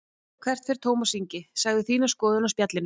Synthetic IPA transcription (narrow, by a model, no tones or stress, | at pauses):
kʰvɛr̥t̪fɛɾ̥t̪ʰoːwmɔsiɲcɪsaɣðɪθiːnaskɔːðʏnawspjat̪lɪn